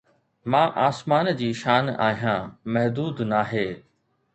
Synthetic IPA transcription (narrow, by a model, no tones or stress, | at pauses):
mãːʔaːsmaːnd͡ʑiːʃaːna̰ːɦijãːmɐɦd̪uːd̪naːɦeː